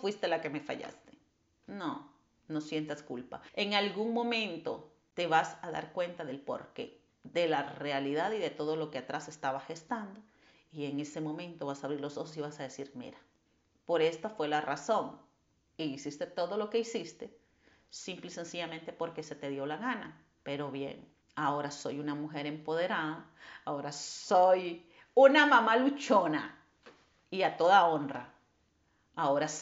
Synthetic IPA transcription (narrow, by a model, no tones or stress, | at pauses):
fwist̪e̞lake̞me̞fa̰ʝa̰st̪e̥ | no | no̞sje̞nt̪askṵlpa̰e̞ŋalɣuŋmõ̞mẽ̞nt̪o̞ | t̪e̞βasaða̰ɾkwe̞nt̪aðe̞lpo̰ɾkḛ | ðe̞lare̞aliðaðiðe̞t̪oðo̞lo̞keat̪ɾase̞st̪aβaxe̞st̪and̪o | ie̞ŋe̞se̞mõ̞mẽ̞nt̪o̞βasaβɾiɾlo̞so̞xos̬iβasaðesiɾmḭɾḁ | po̞ɾe̞st̪afwe̞lara̰so̞ŋ | iisist̪e̞t̪o̞ðo̞lo̞ke̞isist̪e | simplise̞nsiʝamẽ̞nt̪e̞po̞ɾke̞se̞t̪e̞ðjo̞laɣana̰ | pe̞ɾo̞βjḛŋ | ao̞ɾaso̞junamuxeɾe̞mpo̞ðe̞ɾaðaː | o̞ɾasoj | unamãmalut͡ʃona | iat̪o̞ðao̞nra̰ | ao̞ɾa